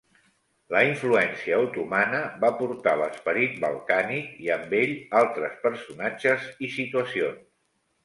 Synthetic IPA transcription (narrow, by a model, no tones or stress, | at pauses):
ləiɱfluɛnsiəːwt̪umanəβapuɾt̪aləspəɾit̪̚bə̰lˠkanikiəmbeʎalˠt̪ɾəspəɾsunad͡ʒəzisit̪uəsions